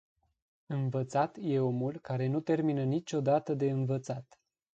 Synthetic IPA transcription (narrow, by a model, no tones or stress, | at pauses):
ɨnvət̪sat̪je̞o̞mulkaɾe̞nut̪e̞rminənit͡ʃʲo̞d̪at̪əd̪e̞ɨnvət̪sat̪